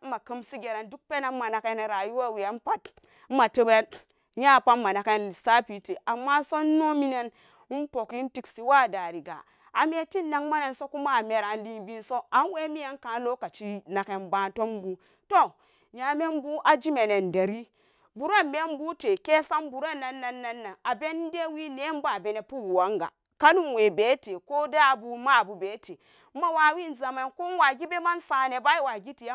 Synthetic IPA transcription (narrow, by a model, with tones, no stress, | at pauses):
ma˨kɨ˦msi˦ɡe˨ɾa˨ndu˦k̚pe˦na˨˦ma˨na˨ke˦ne˨ɾa˨ju˦wa˦˨wi˨a˦n˦pa˦t | m̩˦ma˨tə˦be˦ | ja˦˨pa˦ma˨na˨ke˦nli˨sa˦pi˨te˨ʔa˨mːa˦so˦n˦no˦mi˦ne˦n˦ | n˦po˨ki˦n˦ti˦ksi˨wa˦˨da˨ɾi˨ɡa̰˨ | a˨me˦ti˦n˦na˦ŋma˦ne˨nso˦ku˦ma˦˨me˨ɾa˨n˦li˦bi˦nso˦a˨nwe˦mi˦je˦n˦ka˨˦n˦lo˦ka˨t͡ʃi˦na˨ke˨nba˦to˦m˦bu˦ | to˦ | ɲa˨me˦mbu˦ʔa˨d͡ʒi˦me˨ne˨nda˨ɾi˦ | bu˨ɾa˦me˦m˦bu˦te˨ke˦sa˦mbu˨ɾa˦nːa˨nːa˨nːa˦nːa˨ŋa˨be˦n˦de˦wi˦ne˦m˦ba˦˨be˨ne˨pu˦wu˨wa˨˦ŋɡa̰˨ | ka˦nu˦nwe˨be˦te˨ko˦da˦˨bu˨ma˦˨bu˨be˨˦te˨˦ | ma˦wa˨wi˦˨nza˨ma˨˦ku˦nwa˨ɡi˦be˦ma˦nsa˨ne˨ba˦i˦wa˨ɡi˦ti˨ja˦